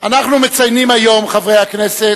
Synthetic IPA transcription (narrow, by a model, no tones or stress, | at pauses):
anaχnume̞t͡sajnimajo̞mχavʁejhakne̞se